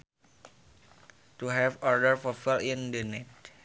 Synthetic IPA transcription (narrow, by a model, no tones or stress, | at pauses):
tuɦɛfɔɹdəɹfɔfilindənɛt